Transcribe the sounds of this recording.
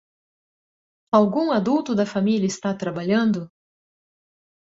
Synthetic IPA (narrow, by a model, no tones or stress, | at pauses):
awɡũad̪uwt̪ʊd̪ɐfamilɐɪst̪at̪ɾabaʎɐ̃nd̪ʊ